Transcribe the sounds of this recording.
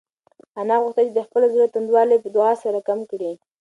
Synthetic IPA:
anɑɣuxt̪at͡ʃed̪əxpəlozulat̪and̪wɑlepəd̪ʊɣɑsaɾakamkɽi

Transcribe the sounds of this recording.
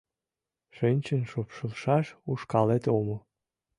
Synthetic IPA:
ʃinʲt͡ɕənʃopʃəlʃɑʃuʃkɑlet̪omo

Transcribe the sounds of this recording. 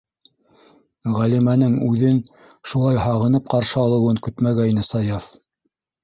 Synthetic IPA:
ʁælimænɘŋʉðɘn | ʃulˠɑjhɑʁɤ̆nɤp̚qɑɾʃɤɑlˠɤ̆wɤŋkɵt̪mæɡæinɘsɑjɑf

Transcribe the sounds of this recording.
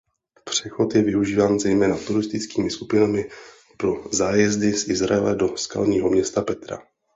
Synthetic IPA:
pr̝̥ɛxo̞t̪jɛvɪuʒiːvaːnzɛjmɛːnat̪uɾɪst̪ɪt͡skiːmɪskupɪnamɪ | pɾo̞zaːjɛzdɪsʔɪzɾa̰ɛlɛdo̞ska̰lɲiːɦo̞mɲɛst̪apɛt̪ɾa̰

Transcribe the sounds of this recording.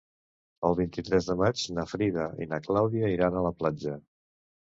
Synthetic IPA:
əlˠβint̪it̪ɾɛzðəmat͡ʃnəfɾiðəḭnaklawðiəiɾanələplad͡ʒə

